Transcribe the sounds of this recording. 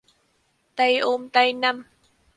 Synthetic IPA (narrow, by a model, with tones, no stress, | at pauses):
t̪a˧jʔoː˧mt̪a˧jna˧m